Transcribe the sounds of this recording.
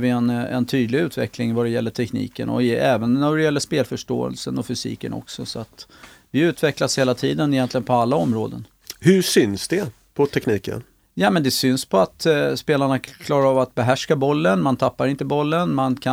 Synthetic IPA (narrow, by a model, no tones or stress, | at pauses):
vɪɛnɛ̰nt̪ʰyːd̪lɪʉ̟ːt̪vɛ̰klɪŋvad̪ɛjɛlːəʈʰɛknḭːkə̰nɔ̰ɛːvənːæɖɛjɛlːəʂpeːlfœʂʈo̰ːə̰lsənɔfʏsḭːkənɔ̰ksɔsɔat̪ | vɪʉ̟ːt̪vɛklasheːlat̪ʰiːd̪ənɪjɛnt̪lɪɡənpʰɔalːaɔmɾoːd̪ən | hɵʂʏnsd̪ɛ | pʰɔt̪ʰɛkniːkə̰n | jaːmɛnd̪ɛsʏnspʰɔat̪speːlaɳakʰlɑːɾaɑːvat̪̚bɛɦæʂkabɔlːənmant̪ʰapːaɾɪnt̪əbɔlːənmankʰa